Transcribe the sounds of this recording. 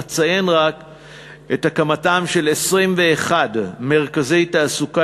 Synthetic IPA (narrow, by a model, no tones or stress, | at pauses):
t͡saje̞nʁak | et̪akamatamʃe̞lesʁimve̞ːχadme̞ʁkazejtaːsuka